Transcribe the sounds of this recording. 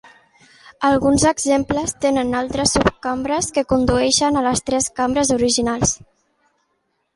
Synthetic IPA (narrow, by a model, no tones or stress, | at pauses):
əlˠɣunzəɡzempləst̪enənalˠt̪ɾəsːupkambɾəskəkund̪uɛʃənələst̪ɾɛskambɾəzuɾiʒinalˠs